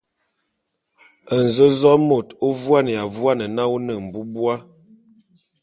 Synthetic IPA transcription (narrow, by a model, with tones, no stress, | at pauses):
ə˨n˨zə˦zɔ˦mo˨to˦vwa˦nə˨ja˨vwa˦nə˨na˦o˦nə˨m̩˨bu˦bwa˦